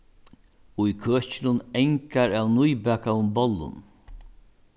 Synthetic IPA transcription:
ʊjkʰøːt͡ʃɪlʊnɛŋkaɾawnʊjbæːkaʊmbɔlːʊ̰n

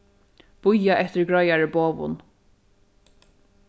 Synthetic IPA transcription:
b̥ʊjaʔɛht̪ɪɹɡɹɔjaɹəboːvʊ̰n

